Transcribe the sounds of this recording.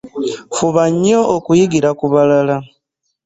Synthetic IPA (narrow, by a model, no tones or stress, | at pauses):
fuβaɲːo̞ʔokujiɡiɾakuβalala